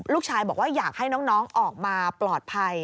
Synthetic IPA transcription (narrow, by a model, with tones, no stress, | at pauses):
luː˥˩k̚t͡ɕʰaː˧jbɔː˨˩k̚waː˥˩jaː˨˩k̚ha˥˩jnɔː˦˥ŋnɔː˦˥ŋʔɔː˨˩k̚maː˧plɔː˨˩t̪̚pʰa˧j